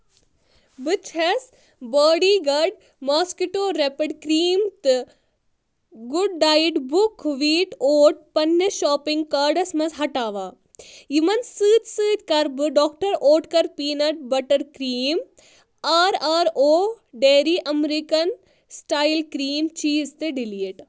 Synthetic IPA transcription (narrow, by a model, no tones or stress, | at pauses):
bɨt͡ʃʰes | baːɖiːɡɐɖ | maːskiʈoːɾepɐɖkɾiːmt̪ɨ | ɡuɖːaːjʈbukʋiːʈoːʈ̚pɐnjɐʃɔːpiŋɡkaːɾɖɐsmɐsɦɐʈaːʋaː | jimɐnsɨːt̪ʲsɨːt̪ʲkɐɾbɨɖɔːkʈɐɾoːʈkɐɾpiːnɐʈ̚bɐʈɐɾkɾiːm | aːɾaːɾoː | ɖeːɾiːʔɐmɾikɐn | sʈaːilkɾiːmt͡ʃiːzt̪ɨɖiliːʈ